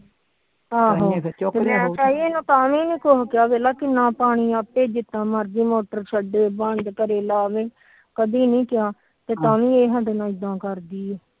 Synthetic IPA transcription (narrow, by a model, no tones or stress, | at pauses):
aːɦoːt͡ʃok̪ːmɛ̃ːt͡ʃaːɦieːnũːt̪aːʋĩːnĩːkoɦkjaːbeːlaːkɪnːãːpaːɽ̃iːaːpeːd͡ʒɪt̪ːãːməɾd͡ʒiːmoːʈəɾt͡ʃʰəɖeːbəɳd̪kəɾeːlaːʋeː | kəd̪iːnĩːkɪjaː | t̪eːt̪aːʋĩːeːɦəɳɖnãːɪd̪ãːkəɾd̪iːɛː